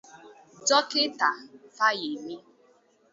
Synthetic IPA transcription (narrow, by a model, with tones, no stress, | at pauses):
d͡ʒɔ˦kɪ˦ta˨fa˦ji˨mi˦